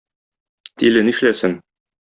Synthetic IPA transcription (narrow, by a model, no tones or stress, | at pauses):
t̪ilɘniʃlæsɘn